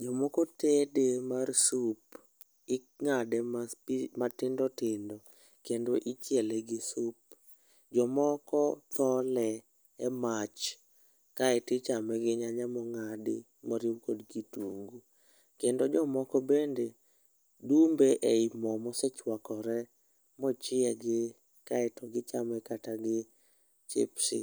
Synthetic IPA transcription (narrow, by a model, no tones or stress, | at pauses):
d͡ʒɔmɔkɔtedemarsup | ɪ | ŋadɛmamatɪndɔtɪndɔ | kendoʔit͡ʃjɛlɛɡɪsup̚ | d͡ʒɔmɔkɔt̪ɔlɛ | ɛmat͡ʃ | kaɛtɪt͡ʃamɛɡɪɲaɲamɔŋadɪ̰ | mɔɾiwkodɡitṵŋɡu | kendod͡ʒɔmɔkɔbende | dumbeʔɛimɔmɔset͡ʃwakɔɾɛ | mɔt͡ʃɪɛɡɪ | kaɛtɔɡɪt͡ʃamɛkataɡɪ | t͡ʃḛpsɪ̰